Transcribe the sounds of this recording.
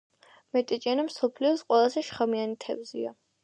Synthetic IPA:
mɛt̪ʼɛt͡ʃʼɛnamsɔpʰliɔsqʼwɛlˠazɛʃχamianit̪ʰɛ̰vzḭa

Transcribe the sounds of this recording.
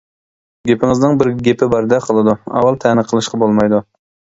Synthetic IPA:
ɡʲepɪŋɨznɪŋbɪɾɡʲepʰɪbɑɾd̪ɛqʰəlˠɨd̪uɑ̰wɑlˠt̪ʰɛnɨqʰəlˠɨʃqʰɑbolˠmɑjd̪u

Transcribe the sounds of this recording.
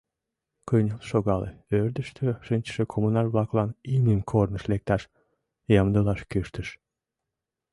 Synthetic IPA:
kʰɯjnʲɯlˠʃoɡɑlˠɨ̰øɾd̪yʃt̪ʰøʃɨnt͡ʃʃɯkʰomunɑlʲblˠɑklˠɑniniŋkʰoɾnɯʃlek̚t̪ɑʃ | jɑmd̪ɯlˠɑʃkʲøʃt̪yʃ

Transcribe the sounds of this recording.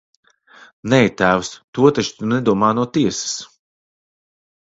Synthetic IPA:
nɛjt̪æːwst̪uɔt̪at͡ʃt̪unɛd̪uɔmaːnuɔt̪iɛsɨ̥s

